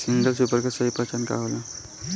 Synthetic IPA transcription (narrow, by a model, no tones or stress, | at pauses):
siŋɡəlsupəɾkəsəɦipət͡ʃanka̰ɦola